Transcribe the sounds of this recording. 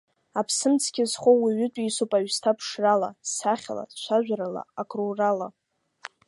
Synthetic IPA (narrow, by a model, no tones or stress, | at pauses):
apʰsɨmt͡sʰkʲɪzχʷowiɥʏtʼisopʼaɥstʰapʰʂralasaχʲala̰ʃʷaʒʷᶣaɾala̰akʼrorala